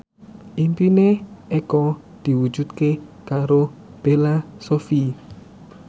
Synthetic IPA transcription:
ʔimpineʔekɔ | d̪̥i̤wud̥d͡ʒ̥ut̪̚kekaɾob̥elasofi

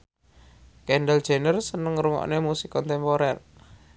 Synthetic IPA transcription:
kɛnɖəld̥ʒ̥e̤nərsənəŋɾuŋɔ̰ʔnemusikɔnt̪ɛmpoɾɛr

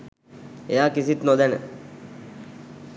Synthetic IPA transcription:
ejaːkisit̪nod̪ænə̰

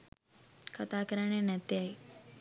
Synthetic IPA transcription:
kət̪akəɾaɳ̃enɛt̪jai

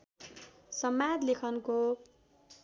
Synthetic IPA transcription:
sʌmːad̪lekʰʌnko

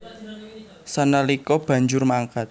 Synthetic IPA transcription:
sənəlikɔb̥a̤ɲd͡ʒʊrmaŋkat̪̚

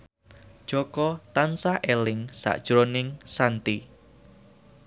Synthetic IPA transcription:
d̥ʒ̥ɔkɔt̪ansaʔɛlɪŋsa̰ʔd̥ʒ̥ɾonɪŋsant̪i

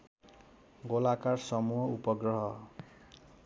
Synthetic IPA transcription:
ɡolakarsʌmuɦʌupʌɡrʌɦʌ

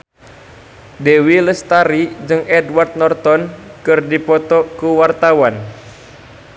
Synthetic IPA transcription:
dɛwiləst̪aɾid͡ʒɨŋɛdwart̪̚nɔrt̪ɔnkɨrdipɔt̪ɔkuwart̪awan

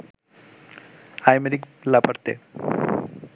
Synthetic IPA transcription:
ajmeɾiklapaɾt̪ḛ

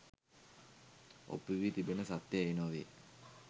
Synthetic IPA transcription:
o̰pːiʋiːt̪ibenəsat̪ːjeeinoːʋe

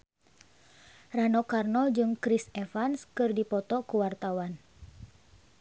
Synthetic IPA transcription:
ranɔkarnɔd͡ʒɨŋkɾisɛfanskɨrdipɔt̪ɔkuwart̪awan

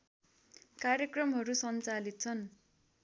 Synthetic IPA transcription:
karjekrʌmɦʌɾusʌnt͡salit̪̚t͡sʰʌn

